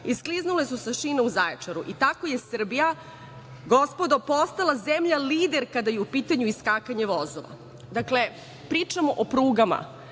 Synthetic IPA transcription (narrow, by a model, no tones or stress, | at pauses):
iskliznule̞susaʃineuzajet͡ʂaɾuʔit̪akojesr̩bija | ɡo̞spo̞d̪opo̞st̪alazemʎaliːd̪eɾkad̪ajeupiːt̪aɲuiskakaɲeʋozoʋa̰ | d̪akle̞ | pɾiːt͡ʂamoʔopɾuːɡama̰